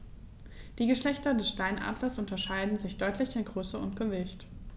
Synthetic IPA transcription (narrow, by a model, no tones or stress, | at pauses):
d̥iːɡəʃlɛçtɐdɛsʃtaɪnʔa̰ːdlɐsʔʊntɐʃaɪdn̩zɪçd̥ɔʏtʰlɪçɪnɡ̥ʁøːsəʊntɡ̥əvɪçt